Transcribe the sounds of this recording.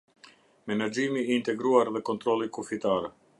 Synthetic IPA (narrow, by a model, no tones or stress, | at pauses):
mɛnad͡ʒimiːnt̪ɛɡɾuaɾðɛkɔnt̪ɾɔlikufit̪aɾɛ